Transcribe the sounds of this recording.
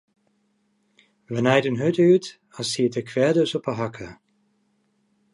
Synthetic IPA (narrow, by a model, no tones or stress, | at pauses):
ʋənɛjdənɦɵtyt | ɑlˠsiətəkʰʋɛɹdəsɔpəɦɑkʰə